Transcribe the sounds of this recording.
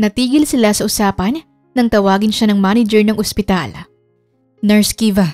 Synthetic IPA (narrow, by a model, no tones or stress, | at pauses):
nɐt̪iːɡɪlsɪlasɐʔʊsaːpɐnː | ɐŋt̪ɐwaːɡɪnʃanɐŋmanɪd͡ʒɛɹnɐŋʔospɪt̪al | nɛɹskivɐ